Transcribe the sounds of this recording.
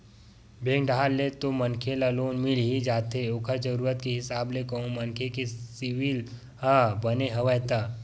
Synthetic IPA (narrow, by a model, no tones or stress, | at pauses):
bʱẽːŋɖʱaːlːet̪omɐnkʰelaloːnmɪlɦid͡ʒaːt̪eokʰad͡ʒəɾuːɾət̪kiɦɪsaːblekɐɦũmɐnkʰekesɪʋil | ɦabɐneɦɐʋəɦt̪aː